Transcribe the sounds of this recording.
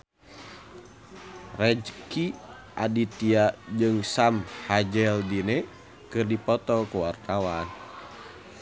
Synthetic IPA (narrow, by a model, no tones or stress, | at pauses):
rɛd͡ʒki | ʔa̰dit̪iad͡ʒɨŋsamhad͡ʒɛldinɛ | kɨrdipɔt̪ɔkuwart̪awan